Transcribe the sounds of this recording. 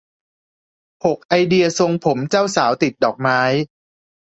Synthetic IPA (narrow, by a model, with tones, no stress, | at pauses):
ho˨˩k̚ʔa˧jdi˧ɐso˧ŋpʰo˩˦mt͡ɕa˥˩wsaː˩˦wt̪i˨˩t̪̚dɔː˨˩k̚maː˦˥j